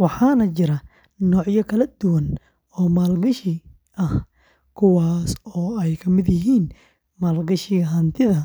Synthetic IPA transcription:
wɑħɑːnɐt͡ʃɪɾɐ | nɔːʕjɐkʰɐlɐd̪ʊwɐn | ɔːmaːlɡɐʃɪ | ʔɐh | kʰʊwaːsɔːɛjkʰɐmɪd̪jɪɦiːn | maːlɡɐʃɪɐɦɐnt̪ʰɪðɐ

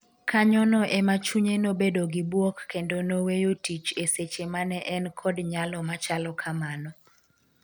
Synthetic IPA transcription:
kʰaɲɔnɔʔɛmat͡ʃuɲenobedoɡibwokːendonowejotit͡ʃeset͡ʃemanɛʔɛnkʰɔdɲalɔmat͡ʃalɔkʰamanɔ

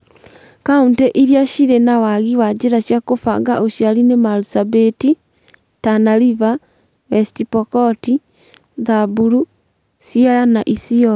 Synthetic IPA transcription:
kauntɛʔiɾjaʃiɾenawaɣiwad͡ʒeɾaʃjakofa̰ŋɡa̰ʔoʃjaɾinemalusabeti | tanaɾiva | wɛstipɔkɔti | ðabuɾu | siaɾanaʔisiɔ

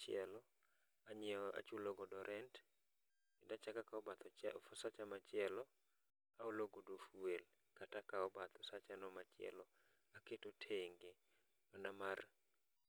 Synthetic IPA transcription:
t͡ʃɪɛlɔ | aɲɛɔa̰t͡ʃuloɡɔdɔɾʔɛnt | kɪdat͡ʃakakaɔbat̪ɔfɔsat͡ʃamat͡ʃɪjɛlɔ | aoloɡodofuel | katakaɔbat̪ɔsat͡ʃanɔmat͡ʃɪɛ̰lɔ | aketotʰeŋɡe | manamar

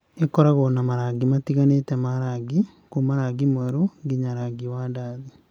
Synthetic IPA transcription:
ekɔɾaɣonamaɾaɡimatiɣanetɛmaɾaɡi | kumaɾaɡimwɛɾoŋɡiɲaɾaɡiwadaði

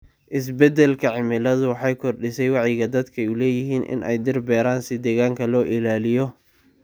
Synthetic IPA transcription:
ʔɪs̬bɛd̪ɛlkʰɐʕɪmɪlɐðʊwɑħɑjkʰɔrɖɪsɛjwɑʕjɪɣɐd̪ɐd̪kʰɐɛjʊlɛːjɪɦiːnʔɪ̰nʔɛ̰jd̪ɪrbɛːɾaːnsɪd̪ɛːɣaːŋkʰɐlɔːʔɪlaːlɪjɔ

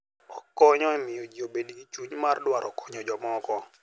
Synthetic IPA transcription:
ɔkɔɲɔɛmɪod͡ʒiobediɡit͡ʃuɲmardwaɾɔkɔ̥ɲɔd͡ʒɔmɔkɔ

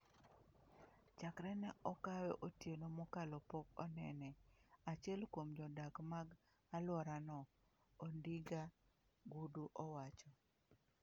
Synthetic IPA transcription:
t͡ʃakɾɛnɛɔkawɛʔotjenomɔkalɔpɔkɔ̰nɛnɛat͡ʃɛlkwomd͡ʒɔdakmaɡ | alwɔɾanɔ | ondiɡa | ɡuduʔɔwat͡ʃɔ

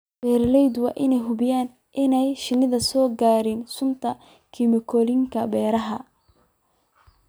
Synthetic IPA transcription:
b̥ɛːɾlɛjd̪wɑ̰ːʔɪnɛjɦʊbɪjaːn | ʔɪnɛjʃɪnɪðɐsɔːɡaːɾɪnsʊnt̪ʰɐ | kʰimɪkʰɔːlɪŋkʰɐbɛːɾɐɦɐ

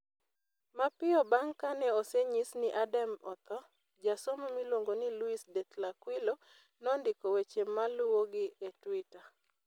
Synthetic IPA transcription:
mapɪɔbaŋkanɛoseɲisnɪʔadamɔt̪ɔ | d͡ʒasomomilwoŋɡonɪluisdɛt̪lakwilo | nɔndɪkowet͡ʃemalʊwoɡɪetwɪta

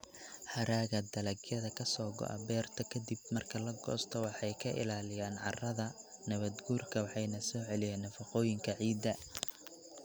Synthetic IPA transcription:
ħɐɾaːɣɐd̪ɐlɐɡjɐðɐkʰɐsɔːɡɔ̰ʔɐ̰bɛːrt̪ʰɐkʰɐd̪ib̚mɐrkʰɐlɐɡɔ̰ːst̪ʰɔwɑħɑjkʰɐʔɪ̰laːlɪjaːnʕɑrɐðɐnɐβɐd̪ɡuːrkʰɐwɑħɑjnɐsɔːʕɛlɪjɛːnːɐfɑqɔːjɪŋkʰɐʕiːd̪ːɐ

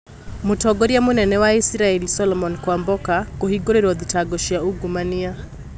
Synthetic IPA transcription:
mutɔɡɔɾiamunɛnɛwaisɾaɛlisɔlɔmɔnkwambɔkakɔhiɡɔɾiɾɔðitaɡɔʃiauɡumania

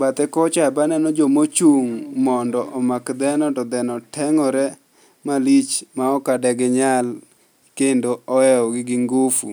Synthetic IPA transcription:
bat̪ɛkɔt͡ʃabanɛnɔd͡ʒomot͡ʃuŋmɔndɔʔɔmakd̪ɛnɔtɔd̪ɛnɔtʰɛŋɔɾɛ | malit͡ʃmaɔkadɛɡɪɲal | kendoɔɛɔɡɪɡɪŋɡofṵ

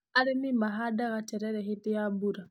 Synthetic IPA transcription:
aɾinimaɦadaɣat͡ʃeɾeɾexitijabuɾa

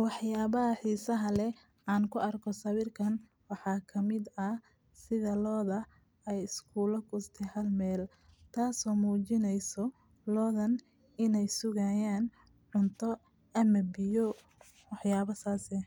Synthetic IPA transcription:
wɑħjaːβɐɦɐħiːsɐɦɐlɛ | ʔaːŋkʰʊʔɐrkʰɔsɐβɪrkʰɐn | wɑħɑːkʰɐmɪd̪ɐ | sɪðɐlɔːðɐ | ɛjɪskʰuːlɐkʰʊst̪ʰɛhɐlmɛːl | t̪ʰaːsɔːmuːt͡ʃɪnɛjsɔ | lɔːðɐn | ɪnɛjsʊɣajaːn | ʕʊnt̪ʰɔ | ɐmɐbɪjɔ | wɑħjaːβɐsaːsɛ

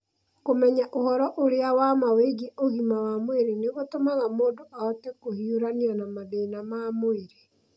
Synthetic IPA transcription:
komɛɲaʔohɔɾɔʔoɾeawamaweɡeʔoɣimawamweɾeneɣotomaɣamoːdoaɔtekohiuɾaneɔnamaðeinamamoeɾe

